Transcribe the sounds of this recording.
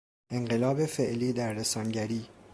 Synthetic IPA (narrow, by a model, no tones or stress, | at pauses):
ʔe̞ɴɢelɒːbe̞fe̞ʔliːd̪æɾːesɒːnɟæɾiː